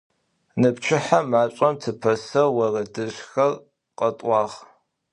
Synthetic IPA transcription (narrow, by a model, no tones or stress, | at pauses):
nɨpt͡ʃʰɪħamaːɕʷʼɐmtʰɨpʰɐsɐwɐrɐdɨɕxɐr | qʼɐtʼʷɑːʁ